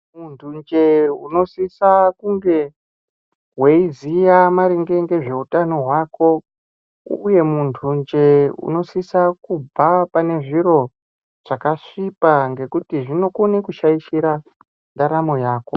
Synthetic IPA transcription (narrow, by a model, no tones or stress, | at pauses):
muntʰund͡ʒe̞uno̞sisakuŋɡe̞ | ɦweizijamaɾiŋɡe̞ŋɡe̞ʐe̞utanoɦwaːko̞ | uje̞muntʰund͡ʒeṵno̞sisakub͡vapane̞ʐiɾo̞ | ʐ̥akaʂipaŋɡe̞kutiʐino̞kunekuʃaiʃiɾa | ndaɾamojaːko̞